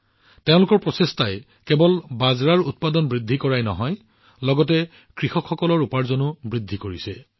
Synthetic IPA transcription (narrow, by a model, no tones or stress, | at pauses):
teʊ̃lʊkɔɹpɹɔsestaj | kebɔlbazɹaɹut̚padɔnbɹidʱikɔɹajnɔ̰ɦɔj | lɔɡɔtɛ | kɹixɔkʰːɔkɔlɔɹupaɹzonubɹidʱːikoɹisɛ